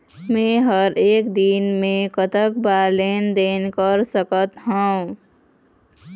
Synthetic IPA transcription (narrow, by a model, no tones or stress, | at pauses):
mẽɦəɾeːkd̪inmẽkət̪əkbalend̪enkəɾsəkət̪ɦã